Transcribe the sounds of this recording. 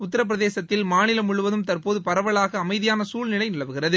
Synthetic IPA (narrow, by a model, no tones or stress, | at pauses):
ʊt̪̬ːɐɾɐp̬ːɪɾɐðeːsɐt̪ːɪlmaːnɪlɐmʊɭɯʋɐðɯmt̪ɐrpoːðɯpɐɾɐʋɐɭaːɣɐːmɐɪðɪjaːnɐsuːlnɪlɐɪnɪɭɐʋɯɣɪrɐðɯ